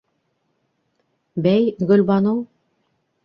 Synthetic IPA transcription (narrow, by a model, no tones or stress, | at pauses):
bæjɡɵ̆lʲbɑnow